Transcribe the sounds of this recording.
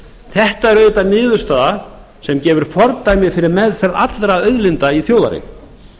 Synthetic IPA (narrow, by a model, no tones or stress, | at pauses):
θɛht̪aɛɾœt̪anɪːðʏ̥st̪aːða | sɛmcɛːvʏɾ̥fɔɾt̪aːjmɪðfɪɾɪɾmɛðfɛɾa̰t̪lɾaœɥðlɪnt̪aiθjowða̰ɾɪ̰